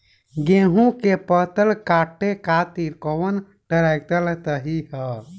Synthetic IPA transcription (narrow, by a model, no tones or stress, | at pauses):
ɡẽɦũkepət̪əlkaʈːekat̪iɾkɔwən | ʈəɾajk̚t̪əlt̪əɦiɦə